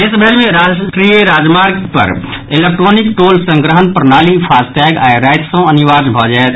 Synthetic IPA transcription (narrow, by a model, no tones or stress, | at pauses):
ɪsbʱeɾmẽɾaːʈɾijeɾaːd͡ʒmaːɾɡpə̰ɾɪlek̚ʈɾoːnɪkʈoːlsə̃ŋɡɾəɦənpəɾnaːlipʰaːsʈ̪ɛːɡaːɾaːɪt̪sõɐnɪʋaːsbʱɔd͡ʒaːet̪